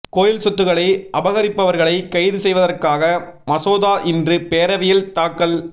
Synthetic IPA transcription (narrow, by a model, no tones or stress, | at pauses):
koːjɪlsɔt̪ːɯɣɐɭɐɪʔɐbɐɣɐɾɪpːɐʋɐɾɣɐɭɐɪkɐɪðɯsɛjʋɐðɐrkaːɣɐmɐsoːðaːʔɪndrɯpeːɾɐʋɪjɪlt̪aːkːɐl